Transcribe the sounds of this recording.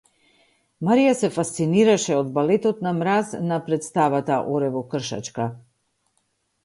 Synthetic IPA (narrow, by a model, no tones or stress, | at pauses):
maɾijasɛfast̪siniɾaʃɛɔd̪balɛt̪ɔt̪namɾaznapɾɛt̪st̪avat̪aʔɔɾɛvɔkr̩ʃa̰t͡ʃka